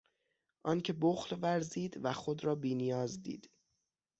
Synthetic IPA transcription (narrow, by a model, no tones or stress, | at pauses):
ʔɒːncʰe̞boxlvæɾziːd̪væxo̞d̪ɾɒːbiːnijɒːzd̪ḭːd̪̥